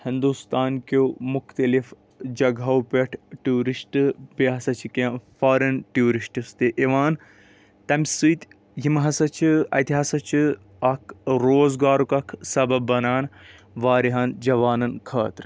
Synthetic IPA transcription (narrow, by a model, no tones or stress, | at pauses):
hind̪ust̪aːnkomʊkt̪ɐlif | d͡ʒɐɡʱɐwpeʈʰʈuːɾisʈpiɦɐsɐt͡ʃʰikːnfaːɾɐnʈjuːɾiʃʈist̪eʔiʋaːn | t̪ɐmsujt̪ʲ | jimɦɐsɐt͡ʃʰiɐ̰t̪iɦɐsɐt͡ʃʰi | ɐkʰɾoːzɡaːɾukɐkʰsɐbɐbbːɐnaːn | ʋaːɾiɦɐnd͡ʒɐʋaːnɐnkʰɐːt̪ɾ